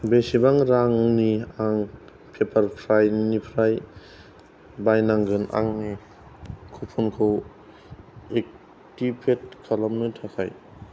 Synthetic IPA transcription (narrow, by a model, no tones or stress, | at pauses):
besibaŋɾaŋniaŋ | pʰepʰɐɾpʰɾajnipʰɾaj | bajnaŋɡɯna̰ŋ | kʰupʰunkʰow | ek̚ | tipʰet̚kʰalamnɯtʰakʰa̰j